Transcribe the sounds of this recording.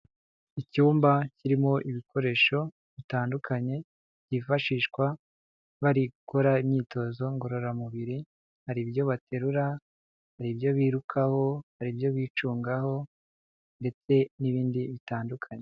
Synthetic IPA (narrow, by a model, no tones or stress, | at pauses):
icuːmbaciɾimo̞ʔiβikʰo̞ɾe̞ːʃo̞ | βitaːndukʰaɲe̞ | ɟifaʃiːʃkwa | βaɾiɡuko̞ɾaimɲiːto̞zo̞ŋɡo̞ɾo̞ɾamuβiɾi | haɾibjo̞βate̞ɾuɾa | haɾibjo̞βiːɾukʰaho̞haɾibjo̞βiːt͡ʃuːŋɡaho̞ | nde̞t͡se̞niβiːndiβitaːndukʰaɲe